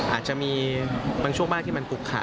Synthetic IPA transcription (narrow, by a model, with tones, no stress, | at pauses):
ʔʔa̰ː˨˩t̪̚t͡ɕa˨˩ʔmiː˧baː˧ŋʰt͡ɕʰu˥˩əŋbaː˥˩nt̪ʰi˥˨ma˧nku˨˩kʰːa̰˨˩˥